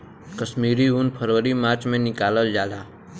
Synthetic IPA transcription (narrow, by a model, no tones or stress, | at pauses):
kəʃmiːɾiunpʰəɾʋəɾimaːt͡ʃmẽnɪkaːləld͡ʒaːd̪aː